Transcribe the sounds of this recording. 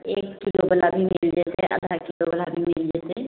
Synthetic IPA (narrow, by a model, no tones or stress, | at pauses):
eːkːilobəlabʱimild͡ʒeseʔə̰d̪ʱakilobəlabʱimɪld͡ʒese